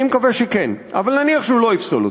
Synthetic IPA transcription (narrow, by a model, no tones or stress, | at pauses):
imkaveʃekenʔa̰valnaniaχʃeulo̞ifsolo